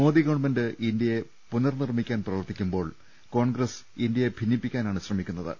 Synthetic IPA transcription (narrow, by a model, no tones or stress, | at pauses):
mo̞ːd̪iɡɐɳmendɨʔind̪jɐje | punɐrnirmikʲːaːnprɐʋɐrt̪ːikʲːumbo̞ːɭ | ko̞ːɳɡɾɐs | ind̪jɐje̞bʱinjipːikʲːaːnaːɳɨɕrɐmikʲːunːɐðɨ̰